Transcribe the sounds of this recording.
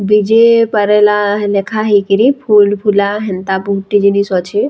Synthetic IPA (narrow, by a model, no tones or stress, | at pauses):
bid͡ʒepəɾɛlalekʰaɦikiɾipʰulpʰulaɦɛnt̪abʱuʈːid͡ʒinisɔt͡ʃʰe